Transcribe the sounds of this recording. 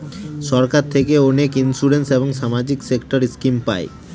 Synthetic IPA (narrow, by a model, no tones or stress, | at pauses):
ʃɔɾkaɾt̪ʰekeɔnekinsuɾenseboŋʃamad͡ʑiksekʈoɾiskimpa̰e